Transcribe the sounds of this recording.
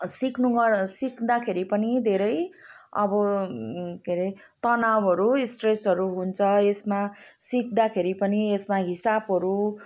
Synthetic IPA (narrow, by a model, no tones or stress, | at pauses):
siknuɡʌsikd̪akʰeɾipʌnid̪ʱeɾʌj | ʌ̰bʌ | keɾi | t̪ʌnawɦʌɾuisʈresʌɾuɦunt͡sʰʌesmasik̚d̪akʰeɾipʌniesmaɦisabɦʌɾu